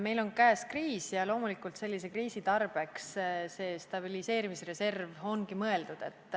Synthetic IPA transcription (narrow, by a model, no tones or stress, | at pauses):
me̞jlo̞nkæːskriːsjɑlo̞ːmulikˑult̪se̞lʲːise̞kriːsit̪ɑrb̥e̞ksse̞ːst̪ɑbilise̞ːɾimisre̞se̞rvo̞nɡimɤe̞ld̪̥ud̪̥e̞t̪ːˑ